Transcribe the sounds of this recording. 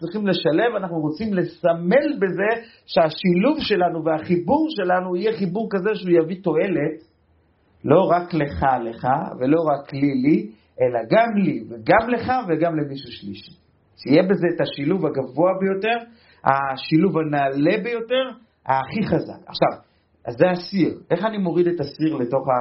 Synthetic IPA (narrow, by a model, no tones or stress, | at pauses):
t͡sʁiχimle̞ʃale̞vanaχnuʁo̞t͡simle̞same̞lbe̞ze̞ | ʃeaʃiluvʃe̞lanuveaχibuʁʃe̞lanuijeχibuʁkaze̞ʃeujavito̞e̞le̞t | lo̞ʁakle̞χale̞χa̰ve̞lo̞ʁaklili | ʔe̞laɡamliveɡamle̞χave̞ɡamle̞miʃuʃliʃi̥ | ʃijebe̞zeːtaʃiluvaɡavo̞abejo̞te̞ʁ | a̰ʃiluvanaːle̞be̞jo̞te̞ʁ | haːχiχaza̰ka̰χʃav | azːeasiʁe̞χanimo̞ʁidetasiʁle̞to̞χa